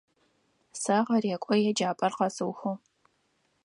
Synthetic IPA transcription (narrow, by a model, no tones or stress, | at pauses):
sɐʁɐɾeːkʷʼɔjɛd͡ʒaːpʼɐrqɐsɨwxoː